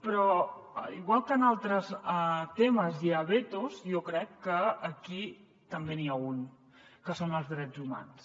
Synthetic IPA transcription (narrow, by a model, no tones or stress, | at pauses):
pɾɔ | iɣwalˠkəːnalˠt̪ɾəst̪eməziəβet̪uzjɔkɾɛkːəːki | t̪əmbeniaun | kəsonəlˠzðɾɛd͡zuma̰ns